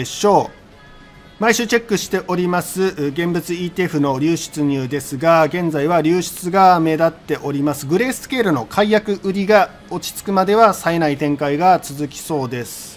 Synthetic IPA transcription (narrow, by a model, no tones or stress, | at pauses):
ɕo̞ː | maiɕɨːt͡ɕe̞kːɯ̟ɕi̥t̪e̞ʔo̞ɾʲimasɨɡẽ̞mbɯ̟t͡sɨiːt̪eːɸɯ̟no̞ɾʲɨːɕɨ̥t͡sɨɲ̟ɯːd̪e̞sɨɡaɡẽ̞nd͡zaiβaɾʲɨːɕɨ̥t͡sɨɡame̞d̪at̪ːe̞ʔo̞ɾʲimasɨɡɯ̟ɾe̞ːsɨ̥ke̞ːɾɯ̟no̞kʰaijakɯ̟ʔɯ̟ɾʲiɡa | o̞t͡ɕi̥t͡sɨ̥kɯ̟mad̪e̞βasae̞nait̪ẽ̞ŋkaiɡat͡sɨzɨkʲi̥so̞ːd̪e̞sɨ̥